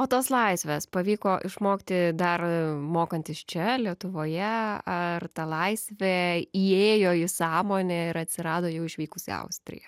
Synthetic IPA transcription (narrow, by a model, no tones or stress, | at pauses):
oːt̪oːslˠɐɪsʲʋʲeːspɐʋʲiːkoːʔɪʃmoːkt̪ʲɪd̪ɐrmoːkɐnʲt̪ʲɪst͡ʃʲɛlʲiɛt̪ʊʋoːjɛɐrt̪ɐlˠɐɪsʲʋʲɛiːeːjoːɪsɑːmoːnʲɛɪɾɐt̪ʲsʲɪɾɑːd̪oːjɛʊɪʃʲʋʲiːkʊsʲɪ̰ɐ̰ʊsʲt̪ʲɾʲɪ̰jɛ